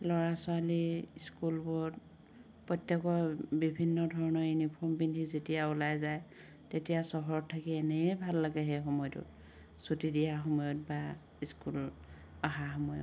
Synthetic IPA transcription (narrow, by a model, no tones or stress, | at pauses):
lɔɹasʊaliiskulbɔɹ | pɹɔjtjɔkɔbibʱinːɔdʱɔɹɔnɔɹjunipʰɔɹmbindʱizetijaulajzaj | tetijasɔɦɔɹɔtʰːakiɛnɛbʱalːaɡɛɦɛxɔmɔjtʊ̰t | sutidijaxɔmɔjɔt̚ba | iskul | aɦaxɔmɔjɔ̰